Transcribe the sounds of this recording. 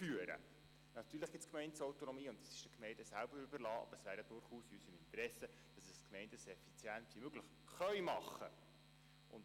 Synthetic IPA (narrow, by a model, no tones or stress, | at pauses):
fyəɾə̰ | nɑt̪yːɾləχɡ̥ɪtt͡sskmɛɪntsɔwt̪onɔmiːʊntɑsɪ̥ʃd̥əkmɛɪndəsælb̥əɾybəɾlɑːʔɑ̰bəɾəsʋæːɾjɑd̥ʊɾχuːsiysəmɪnt̪əɾɛsə | d̥ɑsəskmɛɪndəsɛfit͡sjæntvimøɡləχ | χœʏmɑχːə̰ | ʔʊ̰n